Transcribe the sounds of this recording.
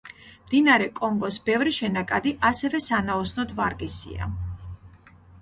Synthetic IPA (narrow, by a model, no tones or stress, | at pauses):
md̪inaɾɛkʼɔŋɡɔsbɛvɾiʃɛnakʼad̪iʔasɛvɛsanaɔsnɔd̪vaɾɡɛsḭa̰